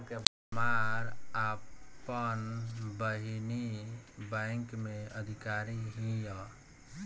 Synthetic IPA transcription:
keb | maɾapənbəɦinibə̃ɪŋkmeəd̪ʱikaɾiɦĩjə

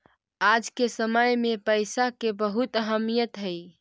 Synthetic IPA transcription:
ad͡ʒkesəməjmepəjsakebəɦut̪əɦəmijət̪ɦəj

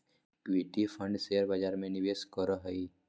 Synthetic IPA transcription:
kʋeʈipʰə̃ɳɖseəɾbad͡ʒaːɾmẽnɪʋeːskəɾəɦəi

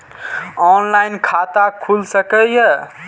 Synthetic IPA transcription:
ɔnlajnkʰat̪akʰulsəkəjə

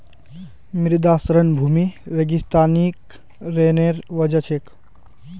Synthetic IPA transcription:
miɾd̪aːsɾənbʱuːmiɾeɡist̪aːnik | ɾeneɾʋəd͡ʒət͡ʃʰek

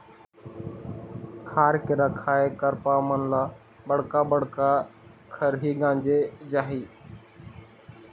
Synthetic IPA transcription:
kʰaːɾkɪɾaːkʰaːeːkəɾpaːmənlaː | ɓəɽkaːbəɽ̤kaː | kʰəɾɦiːɠãːɲd͡ʒeːd͡ʒaːɦiː

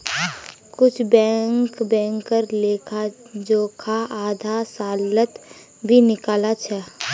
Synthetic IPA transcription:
kʊt͡ʃʰbɛ̃ːŋkbɛ̃ːŋkkəɾleːkʰa | d͡ʒoːkʰaʔaːd̪ʱasaːlət̪ | bʱinɪkaːlat͡ʃʰɛ

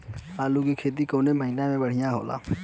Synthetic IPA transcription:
aːlukikʰeːt̪̬ikoːneməɦinamẽbəɽ̤ɪjãɦoːla̰ː

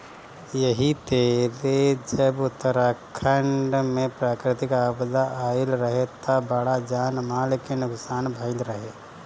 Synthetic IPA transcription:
jəɦit̪eːled͡ʒəbʊt̪ːəɾaːkʰəɳɖmẽpɾaːkɾɪt̪ɪkaːbd̪aʔaːɪlɾəɦet̪abɐɽad͡ʒaːnmaːlkenʊksaːnbʱəɪlɾəɦeː

